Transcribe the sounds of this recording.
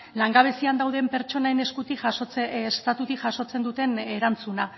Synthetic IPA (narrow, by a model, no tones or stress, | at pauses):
laŋɡaβ̞e̞siand̪awðe̞mpe̞ɾt͡ʃo̞naene̞skut̪iot͡sst̪at̪ut̪ikʝaʃo̞t͡se̞nd̪ut̪e̞ne̞ɾant͡suna